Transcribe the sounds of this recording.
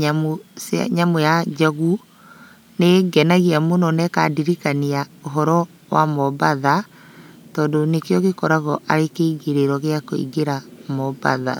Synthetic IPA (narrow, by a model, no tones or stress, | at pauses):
ɲamosa̰ɲamojad͡ʒaɣu | neɡɛnaɣiamonɔnɛka̰diɾikaniaoɦɔɾɔ | wa̰mɔbaða | tɔːndonekjɔɣekɔɾaɣɔʔaɾekeiɡeɾeɾɔɣeakoḭɡeɾamɔba̰ða̰